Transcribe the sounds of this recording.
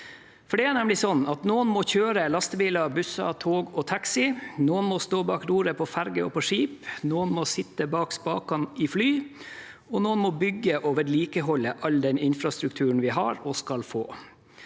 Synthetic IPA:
fɔɖɛæɳɛmlɪsɔnːɑt̪noːənmɔçøːɾəlɑst̪əʋiːlɑbʉsɑ̰t̪ʰoːɡɔt̪ʰɑksɪnoːənmɔst̪oːbɑːkɾuːɾəpʰɔfæɾɡəɔ̰pʰɔʂiːpnoːənmɔsɪt̪ːəbɑːkspɑ̰ːkɑnɪflyː | ɔnoːənmɔbʏɡːəʔoːʋəɾliːkəɦɔlːəʔɑld̪ɛnɪnfɾɑst̪ɾʉkt̪ʰʉːəɳ̩ʋɪɦɑɾɔskɑlfo̰ː

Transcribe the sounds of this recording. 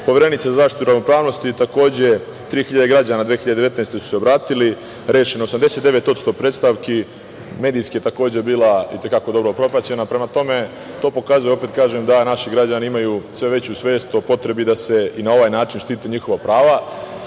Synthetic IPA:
po̞ʋeɾe̞nit̪sazazaːʃt̪it̪uɾaʋnopɾaːʋno̞st̪it̪ako̞ːd͡ʑe̞ | t̪ɾiːxiʎad̪eɡɾad͡ʑanad̪ʋeːxiʎad̪eet̪nest̪e̞su̥seo̞bɾaːt̪ili | ɾe̞ːʃeniosamd̪eset̪d̪eʋe̞t̪ot̪st̪o̞pɾeːt̪st̪aʋki | me̞ːd̪ijskijet̪ako̞ːd͡ʑe̞biːlaḭt̪e̞kako̞d̪o̞bɾopɾo̞pɾat͡ɕenapɾe̞mat̪o̞me̞ | t̪o̞ːpo̞kazujo̞peːt̪kaːʒemd̪anaʃiɡɾad͡ʑaniimajuːsʋe̞ʋe̞t͡ɕusʋe̞ːst̪opo̞t̪ɾe̞bid̪ase̞inao̞ʋaːjnaːt͡ʃinʃt̪iːt̪eɲiːxo̞ʋapɾaːʋa

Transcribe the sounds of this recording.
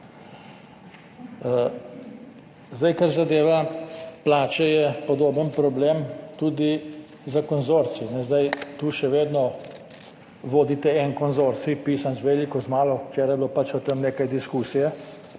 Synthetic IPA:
zd̪ajkaɾzad̪eːʋaplaːt͡ʃɛjɛpɔd̪oːbənpɾɔbleːmt̪uːd̪i | zakɔnzoɾt̪sinɛzd̪ajt̪uːʃɛʋeːd̪nɔ | ʋoːd̪it̪ɛɛnkɔnzoːɾt̪sipiːsanzʋɛlikɔzmaːlɔt͡ʃeːɾajblopat͡ʃɔt̪əmneːkajd̪iskuːsijɛ

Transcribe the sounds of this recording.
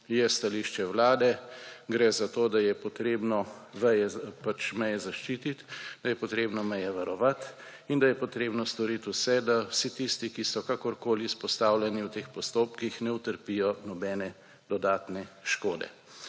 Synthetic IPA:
jɛst̪aliːʃt͡ʃɛwlaːd̪ɛɡɾɛzat̪oːd̪ajɛpɔt̪ɾeːbnɔʋɛjɛpat͡ʃmɛjɛzaʃt͡ʃiːt̪it̪d̪ajɛpɔt̪ɾeːbnɔmɛjɛʋaɾɔʋat̪ | ind̪ajɛpɔt̪ɾeːbnɔst̪ɔɾit̪usɛd̪awsit̪ist̪ikisɔkakɔɾkoːlispɔst̪aːwlʲɛniwt̪eːxpɔst̪oːpkixnɛut̪əɾpijɔnɔbɛːnɛ | d̪̥ɔd̪aːt̪nɛʃkoːd̪ɛ̰

